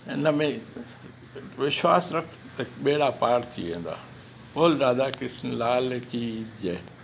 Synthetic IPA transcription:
ɪnəmẽ | ʋɪʃwaːsɾɐkʰt̪ɐɓeːɽapaːɾt̪ʰḭʋḛ̃ːnd̪a̰ː | oːlɗaːd̪aːkɪsnlaːlekid͡ʒeː

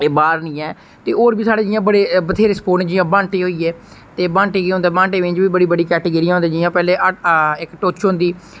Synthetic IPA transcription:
eːbaːɾnĩːɛː | t̪eːoːɾbiːsaːɽeːd͡ʒɪjãːbəɽeːbət̪ʰeːɾeːspoːneːd͡ʒɪjãːbãːɳʈeːɦoːiːɛː | t̪eːbãːɳʈeːɡːɦõnd̪aːbãːɳʈeːʋɪ̃t͡ʃʋiːbəɽiːbəɽiːkɛːʈeːɡəɾiːãɦõnd̪ẽːd͡ʒɪjãːpɛːleːɪkʈoːt͡ʃɦõnd̪iː

